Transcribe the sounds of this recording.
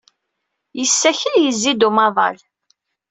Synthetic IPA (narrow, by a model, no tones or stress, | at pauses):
jəsːæçəljəzːid̪umɑðˤɑ̰l